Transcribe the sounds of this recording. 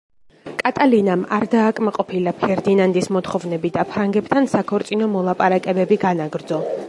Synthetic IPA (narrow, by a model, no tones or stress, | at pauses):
kʼat̪ʼalinamaɾd̪aːkʼmaqʼɔpʰilapʰɛɾd̪inand̪ismɔt̪ʰχɔvnɛbid̪apʰɾaŋɡɛpt̪ʰansakʰɔɾt̪sʼinɔmɔlˠapʼaɾakʼɛbɛbiɡanaɡɾd̪zɔ